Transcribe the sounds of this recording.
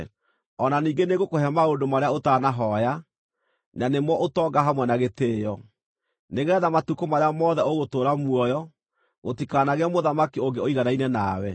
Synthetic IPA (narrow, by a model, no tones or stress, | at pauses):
ɔnaniːɡeneɣokohɛmaondomaɾeaotaːnaɦɔja | nanemwɔʔotɔɡaɦamwɛnaɣeteːjɔ | neɣɛɛðamatukomaɾeamɔðɛoɣotoːɾamwɔjɔ | ɣotikaːnaɣeamoðamakioŋɡeoiɣanainɛnaːwɛ